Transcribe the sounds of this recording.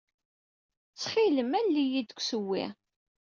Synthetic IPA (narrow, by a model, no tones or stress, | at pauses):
t͡sːχiləmælːijid̪əkʷːsəwːḭ